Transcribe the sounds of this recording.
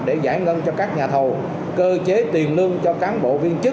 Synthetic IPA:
ɗe˧˩zaː˧˩jŋə˧nt͡ɕɔ˧kaː˦˥k̚ɲaː˨˩t̪ʰo˨˩ | kəː˧t͡ɕe˨˦t̪i˨˩ənlɨ˧əŋt͡ɕɔ˧kaː˨˦nɓo̰˧˨vi˧ənt͡ɕɨ˦˥

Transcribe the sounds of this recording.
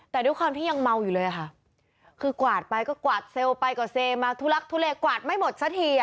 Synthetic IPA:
t̪ɛː˨˩du˧˦jkʰwaː˧mt̪ʰiː˥˩ɲa˧ŋma˧wjuː˨˩lɤː˧jʔa˨˩a˦˥ʔ | kʰɯː˧kwaː˨˩t̪̚pa˧jkɔː˥˩kwaː˨˩t̪̚se˧wpa˧jkɔː˨˩seː˧maː˧t̪ʰuː˧˥la˦˥k̚t̪ʰuː˧˥leː˧kwaː˨˩t̪̚ma˥˩jmo˨˩t̪̚sa˧˥t̪ʰiː˧˩

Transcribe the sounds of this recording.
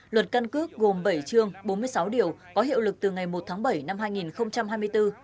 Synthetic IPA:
lwə˨˩t̚ka˧nkɨ˦˥ək̚ɣo˨˩mɓə˧˩jt͡ɕɨ˧əŋɓo˨˦nmɨ˧əjsa˨˦wɗi˧˩əwkɔ˨˦ɦḭ˧˨əwlɨ˨˩k̚t̪ɨ˨˩ŋa˨˩jmo˨˩t̚t̪ʰaː˨˦ŋɓə˧˩jna˧mhɦaː˧jŋi˨˩nxə˧wŋ͡mt͡ɕa˧mɦaː˧jmɨ˧ə˧jt̪ɨ˧

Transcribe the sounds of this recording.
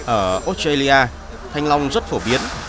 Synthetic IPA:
ʔəː˧˩ʔo˦˥t̚e˧li˧ʔaː˧ | t̪ʰa˧jŋ̟la˧wŋ͡mzə˦˥t̚fo˧˩ɓi˨˦ən

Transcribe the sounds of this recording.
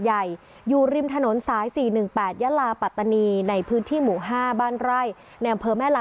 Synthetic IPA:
ja˨˩j | juː˨˩ɾi˧mt̪ʰa˧no˩˦nsaː˩˦jsiː˨˩nɯ˨˩ŋpɛː˨˩t̪̚jaː˦˥laː˧pa˨˩t̪ːa˧niː˧na˧jpʰɯː˦˥nt̪ʰiː˥˩muː˨˩ɦaː˥˩baː˥˩nɾa˥˩j | na˧jʔa˧mpʰɤː˧mɛː˥˩la˨˧

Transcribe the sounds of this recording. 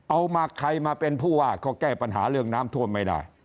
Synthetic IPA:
ʔa˧wmaː˧kʰɾa˧jmaː˧pe˧npʰuː˥˩waː˥˩kʰɔː˧˩kɛː˥˩pa˧nɦa̰ː˩˦ɾɯ˥˩əŋnaː˦˥mt̪ʰu˥˩ənma˥˩jda̰ː˥˩j

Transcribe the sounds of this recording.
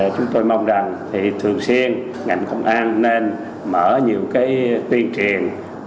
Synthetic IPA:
t͡ɕʊ˨˦ŋ͡mt̪o˧jma˧wŋ͡mza˨˩ŋt̪ʰi˨˩t̪ʰɨ˨˩əŋswi˧ən | ŋa̰˨˩jŋ̟kə˧wŋ͡mʔaː˧nːe˧n | məː˧˩ɲi˨˩əwkaː˨˦jt̪wi˧ənt͡ɕi˨˩ən

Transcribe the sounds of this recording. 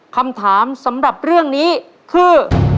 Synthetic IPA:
kʰa˧mt̪ʰaː˩˦msa˩˦mɾa˨˩p̚ɾɯ˥˩əŋniː˦˥ | kʰɯː˧

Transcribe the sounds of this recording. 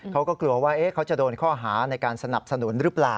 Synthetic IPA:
kʰa˦˥wkɔː˥˩klu˧ɐwaː˥˩ʔe˦˥kʰa˦˥wt͡ɕa˨˩doː˧nkʰɔː˥˩ɦaː˩˦na˧jkaː˧nsa˧na˨˩p̚sa˧nu˩˦nɾɯ˦˥plaː˨˩

